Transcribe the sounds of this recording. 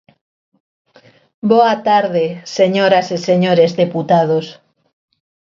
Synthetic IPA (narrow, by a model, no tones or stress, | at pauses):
boat̪aɾðeseɲoɾaseseɲoɾezðeput̪að̞os